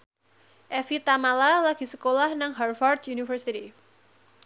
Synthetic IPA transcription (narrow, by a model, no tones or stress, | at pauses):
ʔɛfit̪amalalaɡ̥i̤səkolahnaŋɦarfard̪junifərsit̪i